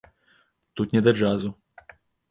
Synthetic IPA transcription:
t̪ut̪nʲɛd̪ɐd͡ʐazu

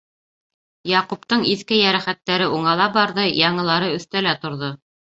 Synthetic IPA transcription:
jɑqupt̪ɤɴiθkɘjæɾæχæt̪ːæɾɘʔuɴɑlˠɑbɑɾðɤjɑɴɤ̆lˠɑɾɤɵ̆θt̪ælæt̪ŏɾðo

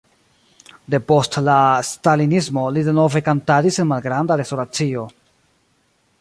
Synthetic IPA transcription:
de̞po̞stlastalinis̬mo̞lide̞no̞ve̞kantadise̞nmalɡɾandaɾe̞stoɾat͡sio̞

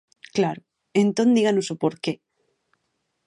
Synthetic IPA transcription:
klaɾo | ent̪o̞nd̪iɣanosopoɾke

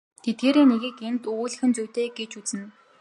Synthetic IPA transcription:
t̪ʰet̪̚ɡeːɾeːneɣiːkent̪uːɮ̆xɘ̆nt͡suwʲt̪eːɡet͡ɕut͡sɘ̆n

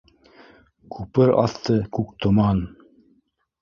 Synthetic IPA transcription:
kʰʉpɘɾɑ̰θt̪ɤkʉk̚t̪ŏmɑn

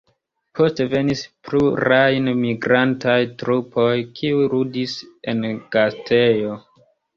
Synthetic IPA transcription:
pʰo̞ste̞ve̞nispɾuɾajnmiɡɾantajtɾupʰo̞jkʰiujɾudise̞̰nɡ̥astʰe̞jo̞

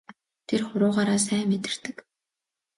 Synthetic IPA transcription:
t̪ʰerχʊɾʊːʁaːɾaːs̬æːmet̪ɪ̆r̥t̪ɘ̆k

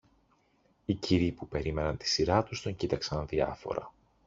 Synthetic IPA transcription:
iciɾipupe̞ɾime̞nɐnt̪i̥siɾɐt̪ust̪o̞ɲcit̪ɐksɐnðiɐ̰fo̞̰ɾɐ̰

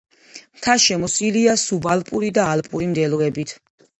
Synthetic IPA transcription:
mt̪ʰaʃɛmɔsiliasubalpʼuɾid̪aːlpʼuɾimd̪ɛlɔɛbit̪ʰ

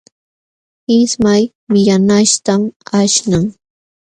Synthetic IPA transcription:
ɪsmaj | mɪjanaʃt̪amaʃnaŋ

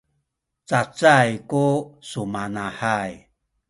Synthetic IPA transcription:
t͡sat͡sajkusumanaħaj

